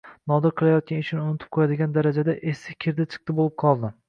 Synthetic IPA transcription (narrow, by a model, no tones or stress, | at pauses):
nɒd̪ɪɾqʰɨlˠajɒt̪̚kʲanɪʃʰɪnɪʊnɪt̪ʰɪ̥p̚qʰojad̪ɪɡʲand̪aɾad͡ʒad̪aʔesɪkʲʰeɾd̪at͡ʃʰɨ̥q̚t̪ɪbolˠɪp̚qʰɒlˠd̪ɪ